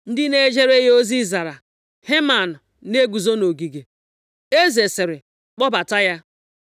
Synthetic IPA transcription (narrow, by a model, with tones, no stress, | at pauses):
n̩˦dɪ˦ne˦d͡ʒe˦ɾe˦ɦo˦zi˦za˨ɾa˨ | he˦ma˨nʊ˨ | ne˦ɡʷu˨zo˦no˨ɡi˨ɡe˨ | e˦ze˨se˨ɾɪ˨ | k͡pɔ˦ba˨ta˦ja˦